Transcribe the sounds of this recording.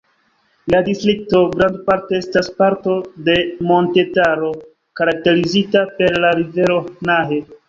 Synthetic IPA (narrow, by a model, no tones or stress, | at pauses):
ladistɾik̚to̞ɡɾandpaɾteestaspaɾto̞de̞mo̞nte̞taɾo̞ | kaɾak̚te̞ɾizitape̞ɾlaɾive̞ɾo̞naɦe̞